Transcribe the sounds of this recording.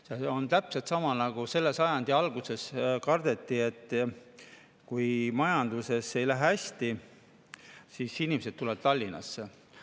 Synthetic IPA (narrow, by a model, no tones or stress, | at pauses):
seont̪æpset̪sɑmɑnɑɡ̥use̞lːe̞sɑjɑnd̪iɑlɡ̥use̞skɑrd̪̥e̞t̪ˑːie̞t̪ˑː | kujmɑjɑnd̪̥use̞sːe̞jlæɦæsʲt̪i | sisinimese̞d̪̥̚t̪uled̪̥̚t̪ɑlʲːinɑ̰sːe